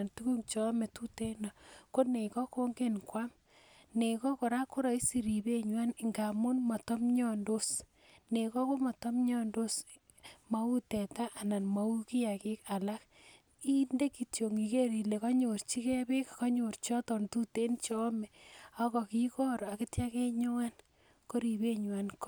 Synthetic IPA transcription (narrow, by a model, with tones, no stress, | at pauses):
a˨ntu˦ku˦ŋt͡ʃɔ˦mɛ˨tu˦te˦na˨ko˦ne˨kɔ˦ko˦ŋɡe˦nkwa˦m | ne˨kɔ˦ko˨ɾa˦ku˦ɾa˨i˦si˨ɾi˨be˦ɲwa˦nɪ˨ŋɡa˨mu˦nmɔ˨tɔ˦mɲɔ˦ndo˦s | ne˨kɔ˦ko˦mɔ˨tɔ˦mɲɔ˦ndo˦s | ma˦u˦tɛ˨ta˦ʔːna˨nma˨u˦ki˦a˨ke˦ka˨la˦k | i˦nde˦ki˨tjo˨ŋi˨ke˦ɾi˨le˨kɔ˦ɲo˨ɾt͡ʃi˦ke˦βe˦kkɔ˦ɲo˨ɾt͡ʃɔ˦tɔ˨ntu˦te˦nt͡ʃɔ˦mɛ˨a˦kɔ˨ki˦kɔ˦ɾɔ˨a˨ki˦tja˦ke˦ɲo˦ŋa˦n | ko˦ɾi˨βe˦ɲwa˦nk